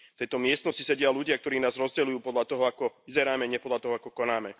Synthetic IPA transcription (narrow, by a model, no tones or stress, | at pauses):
t̪ɛjt̪ɔmɪɛst̪nɔscisɛɟɪaluɟɪak̚t̪ɔɾiːnaːzɾɔzɟɛlujuːpɔd̪lat̪ɔɦɔakɔizɛɾaːmɛɲɛpɔd̪lat̪ɔɦɔakɔkɔnaːmɛ